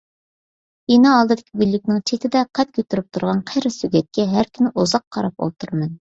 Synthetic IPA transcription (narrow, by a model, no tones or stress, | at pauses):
enɑɑlˠd̪ɨd̪ɪkʲʰiɡʲylːɪkʲnɪŋt͡ʃʰet̪ʰɪd̪ɛqʰɛt̪̚kʲʰøt̪yɾyp̚t̪ʰuɾʁɑnqʰejɾɨsyɡʲɛt̪̚kʲɛɦæɾkʲʰynɪʔuzɑqʰːɑɾɑp̚o̰lˠt̪ʰuɾmɨn